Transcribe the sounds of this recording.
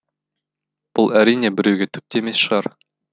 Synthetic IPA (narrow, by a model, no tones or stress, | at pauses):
b̥ʊlˠæɾinebɪ̆ɾewɡʲet̪ʰɵp̚t̪eemesʃəʁɑɾ